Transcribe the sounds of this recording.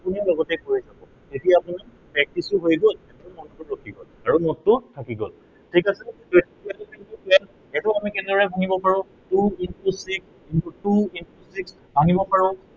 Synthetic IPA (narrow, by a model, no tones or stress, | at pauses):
apunibɔɡɔtɛkoɹizakɔ̃ | tetijaapuni | pɹɛk̚tisʊɦojɡolɛtmɔntʊɹokʰiɡol | aɹumɔtʊtʰakiɡo̰l | tʰikasɛtojtiɛlkintupwɛl | ɛtɔamikɛnɛdɔɹɛbʱaŋibɔpaɹɔ̃ | tuinpusiks | intutuinpʰusiks | bʱaŋibɔpaɹɔ̃